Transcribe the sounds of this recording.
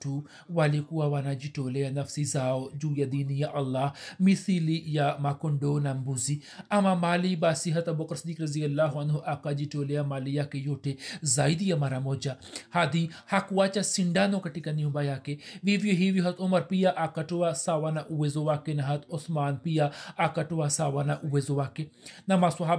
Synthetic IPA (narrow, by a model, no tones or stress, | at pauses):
ʈu | waːlikuwaʋanad͡ʒiʈoːlejanɐfsizaːod͡ʒuːjad̪iːnijaʔɐlːaːɦmisilijamakʊɳɖoːnambuzi | ɐmamaːlibaːsiɦɐt̪ɐbokɾsd̪iːkɾɐzijɐlːaːɦuɐnɦuʔakad͡ʒiʈoːlejamaːlijakejoːʈʰezaːjd̪ijamaɾamoːd͡ʒahaːd̪ihakuwaːt͡ʃasɪɳɖaːnõkɐʈikɐniũbaːjaːkeʋiʋjoɦiʋjoɦɐt̪ʊmɐɾpijaʔakɐʈowasaːʋaːnaʔuwezowaːkenɐɦɐt̪osmaːnpijaakɐʈuwasaːʋanaʔuwezowaːkenɐmaswɐɦa